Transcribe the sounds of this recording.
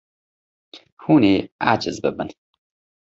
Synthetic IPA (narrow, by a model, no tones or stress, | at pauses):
huːnea̰d͡ʒɨzbəbən